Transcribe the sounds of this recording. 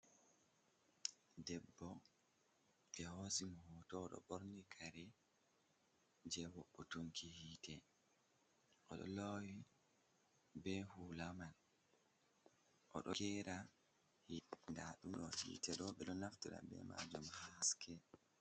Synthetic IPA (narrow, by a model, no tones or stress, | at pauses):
dɛbːɔ | d͡ʒɛhosimhutɔːɗɔ̰ɓoɾnikʰaɾɛ | d͡ʒɛwɔɓːɔtuŋkihiːtʰɛ | ʔɔɗɔ̰lowi | bɛhuːlamal | ʔɔ̰ɗɔkɛɾa | hindaɗumɗɔhḭːtɛɗɔɓɛɗɔnaftuɗa̰bɛ̰ma̰d͡ʒumhaskʰɛ